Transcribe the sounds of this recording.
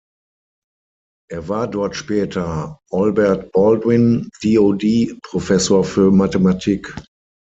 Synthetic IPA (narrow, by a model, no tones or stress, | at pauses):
ʔeːɐvaːɐdɔɐtʃpɛːtʰɐʔɔlbɛɐtb̥ɔldwɪnd̥iːodiːpʁ̥ofɛsoːɐfyːɐmatematʰiːk